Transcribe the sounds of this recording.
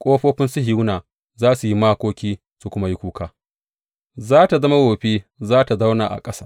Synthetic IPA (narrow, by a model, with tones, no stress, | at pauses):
kʷʼoː˦ɸoː˦ɸɪ˦nsʊ˦hɪ˦wnaː˨ | zaː˦su˨ji˦maː˦kʷoː˦kʲiː˦ | su˨kʷʊ˦ma˦ji˦kʷuː˦kaː˦ | zaː˦ta˨zɐ˦ma˦woː˨ɸeː˦zaː˦ta˨za˦wnaː˨ʔa̰˨kʼɐ˦saː˦